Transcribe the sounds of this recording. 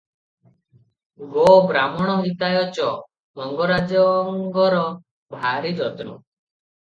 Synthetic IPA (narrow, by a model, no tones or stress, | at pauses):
ɡobɾamɔɽ̃ɔɦit̪ajɔt͡ʃɔ | mɔŋɡɔɾad͡ʒɔŋɡɔɾɔ | bʱaɾid͡ʒɔt̪ɾṵ